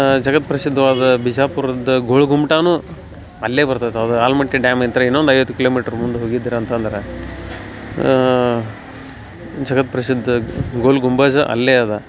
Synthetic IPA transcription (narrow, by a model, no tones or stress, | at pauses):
d͡ʒɐɡɐt̪pɾɐsid̪ʱːɐʋaːd̪ɐbid͡ʒaːpuɾɐd̪ɐɡoːɭɡumʈaːnu | ɐlːeːbɐɾt̪aːjt̪ɐd̪ɐaːlmɐʈːiɖjaːment̪ɐɾɐinːond̪ɐjʋɐt̪ːukiloːmiːʈɐɾmund̪uɦoːɡid̪ːiːɾɐːnt̪ɐnd̪ɐɾe | d͡ʒɐɡɐt̪̚pɾɐsid̪ʱːɐɡoːɭɡumbaːd͡ʒɐʔɐ̰lːeaːd̪ɐ